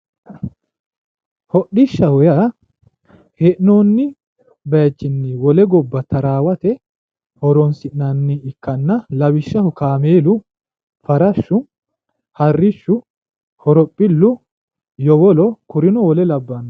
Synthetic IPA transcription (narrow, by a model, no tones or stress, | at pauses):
hɔɗːɪʃːɐhɔja | hɛʔnoːnːɪ | bɐt͡ʃːɪnːɪwɔlɛɡɔbːɐt̪ɐɾaːwɐt̪ɛ | hɔɾɔnsɪʔnɐnːɪɪkːɐnːɐlɐwɪʃːɐhʊkaːmeːlʊ | fɐɾɐʃːʊ | hɐrːɪʃːʊ | hɔɾɔpʼːɪlːʊ | jɔwɔlɔkʊɾɪnɔwɔlɛlɐbːɐnː